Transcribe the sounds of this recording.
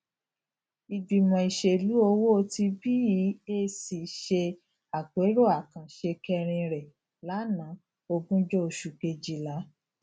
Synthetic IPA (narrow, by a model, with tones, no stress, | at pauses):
i˨bi˨mɔ̃˨i˨ʃe˨lu˨˦o˧wo˦˧ti˧bi˦i˨˦e˦si˨ʃe˧ | a˨k͡pe˨˦ɾo˦˨a˨kã˨ʃe˧kɛ˧ɾ̃ĩ˧ɾɛ˨ | la˨˦nã˨˦ | o˧ɡũ˦d͡ʒo˦o˧ʃu˨ke˧d͡ʒi˦la˨˦